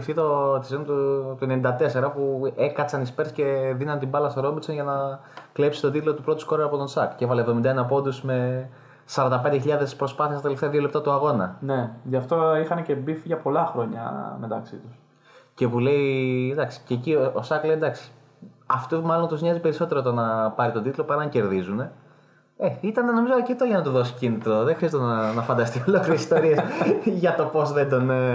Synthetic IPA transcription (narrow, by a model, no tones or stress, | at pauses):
fθit̪o̞t̪isent̪ut̪oenenid̪ɐt̪e̞se̞ɾɐpue̞kɐt͡sɐnispeɾsce̞ðinɐnt̪ibɐlɐst̪o̞ɾo̞bit̪so̞nʝɐnɐklepsi̥t̪o̞t̪it̪lo̞t̪upɾo̞t̪u̥sko̞ɾɐɐpo̞t̪o̞nsɐkcevɐlevðoind̪ɐenɐpo̞nd̪usme̞ | sɐɾɐnd̪ɐpend̪eçiʎɐðe̞spɾo̞spɐθiɐst̪ɐt̪eleft̪eɐðio̞lep̚t̪ɐt̪uɐɣo̞nɐne̞ʝɐft̪o̞ixɐnece̞bifiʝɐpo̞lɐxɾo̞ɲɐ̰me̞t̪ɐksit̪us | ce̞pule̞id̪ɐksi̥cecioosɐklejd̪ɐksi̥ | ɐft̪umɐlo̞nt̪uzɲɐzipe̞ɾiso̞t̪e̞ɾot̪onɐpɐɾit̪od̪it̪lopɐɾiɐɲce̞ɾðizune̞ | eit̪ɐneno̞mizooceft̪oʝɐnɐt̪uðo̞si̥cinit̪ɾo̞ðexɾiɐzt̪nɐfɐnd̪ɐst̪iolokliɾesi̥st̪oɾiesʝɐt̪o̞po̞zðend̪o̞ne